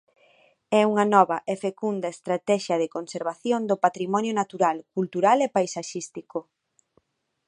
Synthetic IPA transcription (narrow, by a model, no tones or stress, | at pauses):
ɛuŋɐnɔβɐʔefekund̪ɐest̪ɾat̪ɛʃɐðɪkonseɾβaθjond̪opat̪ɾimɔnjonat̪uɾalkult̪uɾalepajsaʃist̪iko